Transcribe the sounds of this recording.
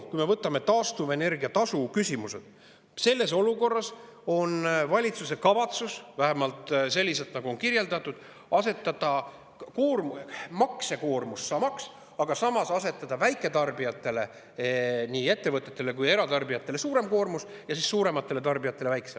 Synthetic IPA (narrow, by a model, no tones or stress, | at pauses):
kujme̞vɤt̪ːˑɑme̞t̪ɑːst̪uve̞ne̞rɡiɑt̪ɑsukysʲimuse̞̰d̪̥ | se̞lːe̞s̬o̞luko̞rːɑso̞nvɑlʲit̪suse̞kɑvɑt̪susvæɦæmɑlt̪se̞lʲːise̞t̪nɑɡuo̞nkirje̞ld̪ɑt̪ːˑud̪̥ | ɑse̞t̪ːˑɑd̪̥ɑ | koːrmumɑkse̞ko̞ːrmusːɑːmɑks | ɑɡ̥ɑsɑmɑsɑse̞t̪ːˑɑd̪̥ɑvæjkːˑe̞t̪ɑrbijɑt̪ːˑe̞le̞ | niːe̞t̪ːe̞vɤt̪ˑːe̞t̪ːˑe̞le̞kuje̞ɾɑt̪ɑrbijɑt̪ːˑe̞le̞suːɾe̞mko̞ːrmusjɑsiːssuːɾe̞mɑt̪ːe̞le̞t̪ɑrbijɑt̪ːˑe̞le̞væjkse